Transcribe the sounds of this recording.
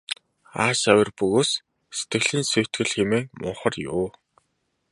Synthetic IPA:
aːʃæwʲɪ̆rpɵɣoːs | se̥t̪ɡɘ̆ɣɮiːnsujʰt̪ɡɘ̆ɮxemeːmʊ̰ɴχə̆rjʊː

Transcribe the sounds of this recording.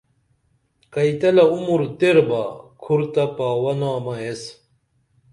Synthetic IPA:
kɐjt̪ɐlɐumuɾt̪eɾbaːkʰuɾt̪ɐpaːwɐnaːmɐes

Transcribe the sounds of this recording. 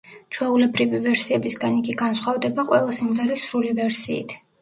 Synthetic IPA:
t͡ʃʰwɛulɛbɾivivɛɾsiɛbisɡaniɡʼiɡansχwavd̪ɛbaqʼwɛlˠasimʁɛɾisɾulivɛɾsḭːt̪ʰ

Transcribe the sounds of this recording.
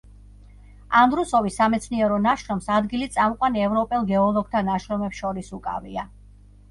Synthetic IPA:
and̪ɾusɔvisːamɛt̪sʰniɛɾɔnaʃɾɔmsad̪ɡilit̪sʼamqʼwaniɛvɾɔpʼɛlˠɡɛɔlˠɔɡ̚t̪ʰanaʃɾɔmɛpsʃɔɾisukʼa̰via

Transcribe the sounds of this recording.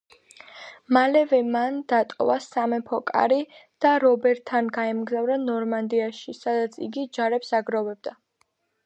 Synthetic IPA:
malɛvɛmand̪̥at̪ʼɔ̰vasamɛpʰɔkʼa̰ɾid̪̥aɾɔbɛɾt̪ʰːanɡaɛmɡzavɾanɔɾmand̪iaʃisad̪at̪sʰḭɡid͡ʒaɾɛpsaɡɾɔvɛb̚d̪a

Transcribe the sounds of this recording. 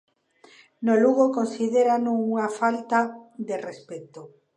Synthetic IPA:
noluɣokonsið̞eɾanuuŋafalt̪ad̪erespet̪o

